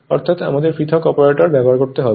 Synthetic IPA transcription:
ɔ̰ɾt̪ʰat̪a̰mad̪eɾfɾit̪ʰokɔpaɾeʈoɾbɛboɦaɾkoɾt̪eɦɔbe

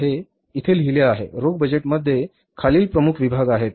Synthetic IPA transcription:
ɦe | it̪ʰelɦileaɦḛɾoɡ̚bəd͡ʑeʈməd̪ʱːje | kʰaliːlpɾəmukʰʋibʱaɡaɦet̪̚

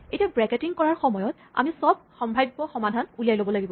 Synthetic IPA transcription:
ejtiabɹɛketiŋkɔɹaɹxɔmɔjɔt | a̰misɔb̚xɔmbʱajbbɔxɔmadʱanulijajlobɔlaɡibɔ

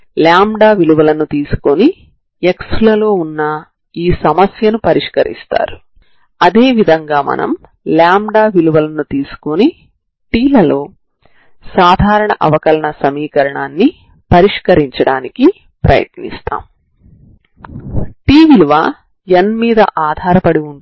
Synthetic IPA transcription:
ljaːmɖaːʋiluʋɐlɐnut̪iːsu̥koni | ekslɐlo̞ːunːɐ | iːsɐmɐsjɐnupɐɾiʂkɐɾḭst̪a̰ːɾu | ɐd̪e̞ːʋid̪ʱɐŋɡaːmɐ̰nʔɐ̰m | ljaːmɖaːʋiluʋɐlɐnut̪iːsu̥koni | ʈiːlɐlo̞ː | saːd̪ʱaːɾɐɳɐʔɐ̰ʋɐkɐlɐɳɐsɐmiːkɐɾɐɳaːnːi | pɐɾiʂkɐɾiɲt͡ʃɐɽaːniki | pɾɐ̰jɐ̰t̪nḭst̪a̰ːm | ʈiːʋiluʋaː | enmiːd̪ɐ̰ʔaːd̪ʱaːɾɐpɐɽiuɳ

